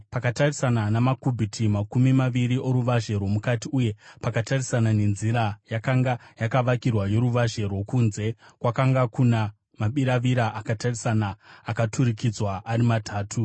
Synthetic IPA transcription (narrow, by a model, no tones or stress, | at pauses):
pakatarisananamakubʱitʰimakumimaʋiɾiʔo̞ɾuʋaʒe̞rwo̞mukatiuje̞pakatarisanane̞nziɾajakaŋɡajakaʋakirwajo̞ɾuʋaʒe̞rwo̞kunze̞kwakaŋɡakuna | maɓiɾaʋiɾaʔakatarisanaːkatʰurikid͡zwaʔːɾimatʰaːtʰu